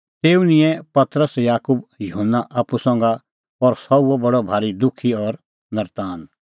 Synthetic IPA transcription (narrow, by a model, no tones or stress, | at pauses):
t̪eːunɪ̃jɛ̃pɐt̪ɾəsjaːkubjʊɦənːaʔaːpusɔ̃ŋ̆ɡa | pɔɾsɔuɔbɐɽobʱaːɾid̪ʊkʰiɔːɾ | nɐɾt̪aːn